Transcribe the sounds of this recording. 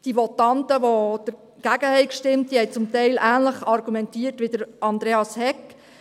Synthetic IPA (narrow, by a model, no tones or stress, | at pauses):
d̥iʋɔtɑntəʋod̥əɾ | ɡ̥æːɡəhɛɪkʃtɪmt̚d̥ihɛɪt͡sʊmtɛɪlʔæːnləχɑrɡumɛntiːrtʋɪd̥əɾɑnd̪ɾeːɑshɛkː